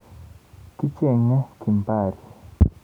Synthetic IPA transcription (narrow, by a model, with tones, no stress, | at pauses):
ki˦t͡ʃe˦˨ŋa˦ki˨mpa˦˨ɾi˨